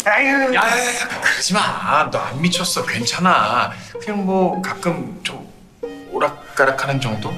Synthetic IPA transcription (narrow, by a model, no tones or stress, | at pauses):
ajakɯɾd͡ʑimantoa̰nmit͡ɕʰʌs͈ʌkwe̞nt͡ɕʰanakɯɲaŋmʌkak͈ɯmt͡ɕom | oɾakk͈aɾakʰanɯnd͡ʑʌŋdo